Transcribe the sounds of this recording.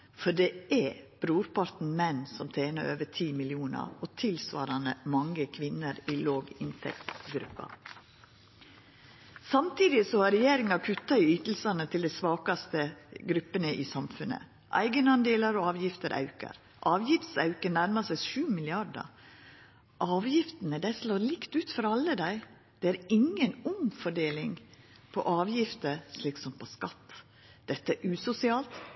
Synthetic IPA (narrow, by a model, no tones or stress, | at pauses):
fɔɖɛʔɛb̥ɾuːɾpʰɑɾt̪n̩mɛnːsɔmt̪ʰeːnəɾø̰ːʋətʰiːmɪlɪuːnɑ̰ɾɔt̪ʰɪlsʋɑ̰ːɾɑnəmɑŋːəkʰʋɪnəɾɪloːɡɪnt̪ʰɛ̰kt̪ɡɾʉ̰pːɑ̰ | sɑmt̪ʰiːd̪ɪsɔhɑɾɛjeːɾɪŋɑkʰʉt̪ːɑɪyːt̪l̩sɑnət̪ʰɪld̪ɛɪsʋɑːkɑst̪əɡɾʉpːənəʔɪsɑmfʉnə̰ | ʔæ̰ɪɡənɑnd̪eːləɾɔɑːʋjɪft̪əɾʔɑ̰ʉkə̰ɾ | ʔɑːʋjɪft̪sɑ̰ʉkənæɾmɑsæʃʉːmɪlɪɑɖə̰ɾ | ʔɑːʋjɪft̪ənəd̪æɪsloːɾlɪkt̪ʉːt̪fɔɾɑlːəd̪æɪ | d̪̥ɛæɾɪŋːənʊŋfɔɖeːlɪŋ | pʰɔʔɑːʋjɪft̪əɾʂliːksɔmpʰɔskɑt̪ː | d̪̥ɛt̪ːəæʔʉːsʊsɪɑːlt̪